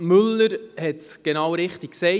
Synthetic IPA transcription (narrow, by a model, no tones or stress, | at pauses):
mʏləɾhɛtsɡ̥enɑwɾɪχtikksɛɪ